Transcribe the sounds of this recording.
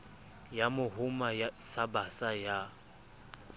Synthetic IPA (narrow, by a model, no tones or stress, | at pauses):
jamʊhʊmajasabasaja